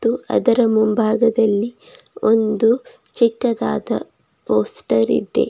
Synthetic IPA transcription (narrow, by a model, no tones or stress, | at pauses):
t̪ːuɐ̰d̪ɐɾɐmumbʱaːɡɐd̪ɐlːi | ond̪u | t͡ʃikːɐd̪a̰ːd̪ɐ̰ | poːsʈɐɾḭd̪e̞̰